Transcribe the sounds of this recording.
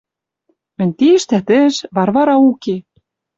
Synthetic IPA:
mɘ̆nʲt̪iʃt̪æt̪ɘ̆ʃβɑɾβɑɾɑuke

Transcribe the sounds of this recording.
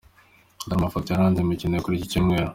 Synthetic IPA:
daɾmafot̪ojaɾaːnzemicinekuɾiːciciːmŋeːɾo

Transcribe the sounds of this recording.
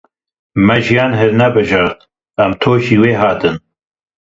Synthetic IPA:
mɛʒijɑːnɦɨɾnɛbɨʒɑɾt̪̚ | ɛmt̪ʰoːʒiːweːɦɑːt̪ɨn

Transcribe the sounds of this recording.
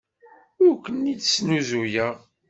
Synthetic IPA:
ʊɾkʷənːidsnuzujæ

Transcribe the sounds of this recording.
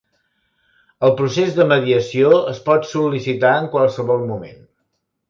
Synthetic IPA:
əlˠpɾusezðəməðiəsioəspɔt̪sulːisit̪aəŋkwalˠsəβɔlˠmumḛn

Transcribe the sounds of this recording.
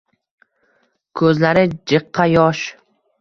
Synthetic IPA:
kʰɵzlaɾɪd͡ʒɨqʰːɑjɒʃ

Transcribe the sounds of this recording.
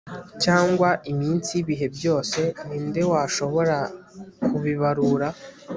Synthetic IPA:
caːŋɡwaʔimiːnsiβiɦe̞bjo̞ːse̞niːnde̞waːʃo̞βo̞ɾakʰuβiβaɾuɾa

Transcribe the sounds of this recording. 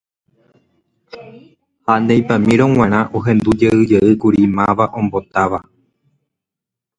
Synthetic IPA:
hand̪ejpamĩɾõŋ̃ãɾ̃ãʔoɦẽ̞nd̪ud͡ʒeɨd͡ʒeʔɨkuɾimãʋaʔõ̞mbo̞t̪aʋa

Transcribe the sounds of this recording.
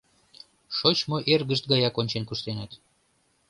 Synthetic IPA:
ʃot͡ɕmoʔerɣəʃt̪̚ɡɑjɑkonʲt͡ɕenkuʃt̪enɑt̪

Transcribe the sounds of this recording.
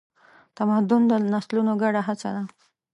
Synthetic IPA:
t̪amad̪ʊnd̪ənaslunoɡaɽaɦat͡sa̰d̪a

